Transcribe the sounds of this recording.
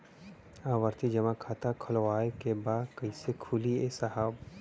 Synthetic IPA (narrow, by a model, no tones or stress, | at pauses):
aːʋəɾt̪id͡ʒɐmakʰaːt̪akʰɐlwaːekebaːd̪kɐisekʰuliesaɦaːb